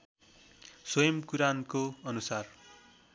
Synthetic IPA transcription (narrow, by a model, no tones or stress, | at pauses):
swʌjʌmkuɾankoʌnusar